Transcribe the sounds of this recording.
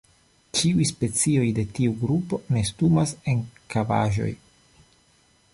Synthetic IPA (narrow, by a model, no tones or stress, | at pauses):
t͡ʃiujspe̞t͡sio̞jde̞tiuɡɾupo̞ne̞stumase̞nkava̰ʒo̞̰j